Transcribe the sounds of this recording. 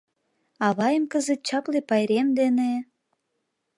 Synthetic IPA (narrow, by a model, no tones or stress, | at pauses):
ɑβɑjəmkəzet̪̚t͡ɕɑklepɑjɾemd̪ene